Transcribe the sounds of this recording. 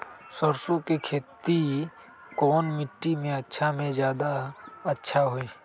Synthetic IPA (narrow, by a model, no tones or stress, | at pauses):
səɾsõkekʰeːt̪i | kɔːnmɪʈːimẽətːʃʰamẽzjaːd̪aətːʃʰaɦoiː